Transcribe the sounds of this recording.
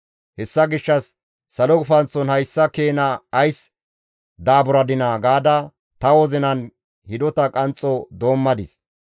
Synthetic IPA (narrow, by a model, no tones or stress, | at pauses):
hɛsːɐɡɪʃːɐsː | ɐlɔkʼʊfɐnt͡sːɔnhɐjsːɐkeːnɐːjs | d̪aːbʊɾɐd̪ɪnaːɡaːd̪ɐ | t̪ɐwɔzɪnɐn | hɪd̪ɔt̪ɐkʼɐnt͡sʼːɔd̪o̞ːmːɐd̪ɪs